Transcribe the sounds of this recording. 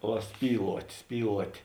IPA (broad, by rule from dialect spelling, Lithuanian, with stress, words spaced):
ˈʋɐ ˈsʲpʲiːlˠuɔtʲ ˈsʲpʲiːlˠuɔtʲ